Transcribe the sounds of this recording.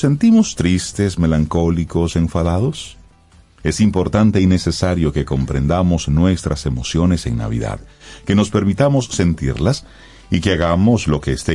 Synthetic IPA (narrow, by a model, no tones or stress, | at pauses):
se̞nt̪imo̞st̪ɾist̪e̞sme̞laŋko̞liko̞se̞ɱfaðaðo̞s | e̞simpo̞ɾt̪ant̪e̞ine̞sesaɾjo̞ke̞ko̞mpɾe̞̰nd̪amo̞znwe̞st̪ɾʔase̞mo̞sjo̞ne̞se̞̰ŋna̰βḭða̰ðke̞no̞spe̞ɾmit̪amo̞sːe̞nt̪ḭɾlas | ikeaɣamo̞slo̞keːst̪e